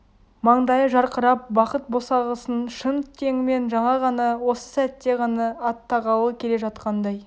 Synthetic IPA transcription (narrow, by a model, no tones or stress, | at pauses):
mɑɴd̪ɑjəʒɑɾqəɾɑp̚bɑqət̪̚bo̞sɑʁəsənʃənt̪ʰe̞ŋɪme̞nʒɑɴɑʁɑnɑwo̞sə̥sæt̪ːe̞ʁɑnɑːt̪ʰːɑʁɑw̪ˠəkʲʰe̞leʒɑt̪qɑnd̪ɑj